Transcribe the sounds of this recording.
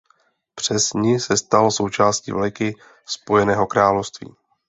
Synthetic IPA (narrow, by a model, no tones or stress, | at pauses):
pr̝̥ɛzɲɪsɛst̪also̞wt͡ʃaːscḭvlkɪ | spo̞jɛnɛːɦo̞kɾaːlofst̪vḭː